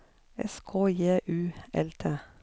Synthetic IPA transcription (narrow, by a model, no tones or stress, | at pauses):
ɛ̰skʰoːjeːʔʉːɛ̰lt̪ʰeː